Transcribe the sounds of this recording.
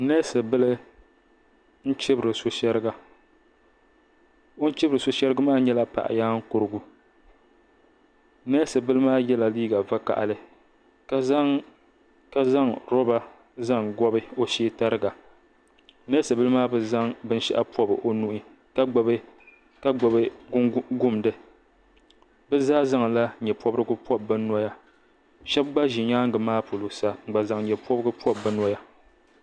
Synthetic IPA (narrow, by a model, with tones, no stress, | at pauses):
nɛ˦sɨ˨bɨ˦lɨ˦ | n̩˦t͡ʃɪ˦bɨ˨ɾɨ˨so˦ʃɛ˦ɾɨ˦ɡa˨ | o˦n̩˦t͡ʃɪ˦bɨ˨ɾɨ˨so˨ʃɛ˦ɾɨ˦ɡa˦maː˦ɲɛ˦la˦pa̰˨ʔa̰˨jaː˦ŋ̩˦kʊ˨ɾɨ˦ɡu˦ | nɛ˦sɨ˨bɨ˦lɨ˦maː˦jɛ˦la˨liː˦ɡa˨va˦ka̰˨ʔa̰˨lɨ˦ | ka˦za˦ | ka˦za˦ŋɾɔ˦ba˦ | za˦˨ŋɡɔ˦bɨ˦o˦ʃeː˦ta˦ɾɨ˦ɡa˨ | nɨ˦sɨ˨bɨ˦lɨ˦maː˦bɨ˦za˦ŋbɨ˦n˦ʃɛ̰˦ʔa̰˦pʰɔ˦bɨ̰˨ʔo˦nu˦ʔi˦ | ka˦ɡ͡bɔ˨bɨ˦ | ka˦ɡ͡bɔ˨bɨ˦ɡʊ˦m˨dɨ˨ | bɨ˦zaː˦za˦ŋla˦ɲɛ˨pɔ˦bɾɨ˦ɡɨ˦pɔ˦bɨ˦nɔ˦ja˦ | ʃɛ˦b̚ɡ͡ba˦ʒi˨ɲaː˦ŋɡɨ˨maː˦po˨lo˨sa˨ŋ͡m̩˨ɡ͡ba˨za˨ŋɲɛ˨pʰɔ˦bɨ˦ɡɨ˦pʰɔ˦bɨ˦nɔ˦ja˦